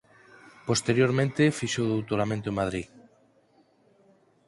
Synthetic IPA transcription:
post̪eɾjoɾmẽnt̪efiʃowðowt̪oɾamẽnt̪omað̞ɾi

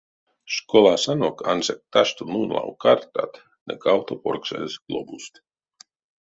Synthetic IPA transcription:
ʃkolˠasanokansek̚t̪aʃt̪ununlˠa̰wkart̪a̰t̪ | nə̰kawt̪oporksḛsɡ̥lˠobust̪

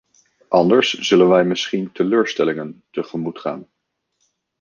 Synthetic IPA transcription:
ʔɑndəɹsz̥ɵlənʋɛjmɪsχintəløːɹstɛlɪŋəntəχəmutχa̰ːn

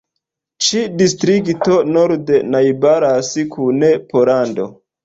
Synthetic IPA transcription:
t͡ʃidistɾikto̞noɾdenajbaɾasikʰunepolando̞̰

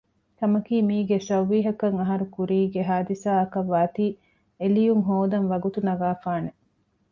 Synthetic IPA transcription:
k̪ɐmɐkiːmiːɡesɐwʋːiːɦɐkɐŋɐɦɐɾukuɾiːɡeɦaːd̪isaːɐkɐʋːaːt̪iː | elijuŋɦoːd̪ɐnʋɐɡut̪unɐɡaːfaːne

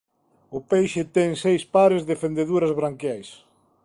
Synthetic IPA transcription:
ʊpejʃɪt̪ɛŋsejspaɾɪzðefend̪eðuɾɐzβɾaŋkjajs

